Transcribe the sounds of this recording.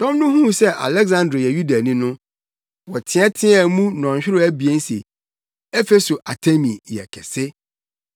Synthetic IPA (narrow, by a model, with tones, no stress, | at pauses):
tɔ̃˦mnʊ̃˦hũ˦sɛ˦ʔa̰˨lɛ˦ɡzã˦ndɾo˨jɛ˨ju˦da˨nĩ˦nʊ̃˦ | wɔ˨tʰɪ̃˦ɛ˦tʰɪ̃˦ɛ˨mũ˦nɔ̃˨ɕᶣɪ˦ɾʊ˦æ˦bi˨ɛ˦n̩˦sḛ˨ | ɛ˦fe˦so˨ʔa˨tʰe˦mĩ˨jɛ̰˨kʰɛ̰˨sɪ˦